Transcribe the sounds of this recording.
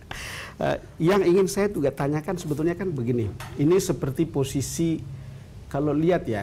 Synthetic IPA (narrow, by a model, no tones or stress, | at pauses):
ə̰ | jaŋiŋɪnsajad͡ʒuɡaʔt̪aɲakansəbət̪ulɲakanbəɡiniinisəpərt̪iposisi | kaloliat̪̚ja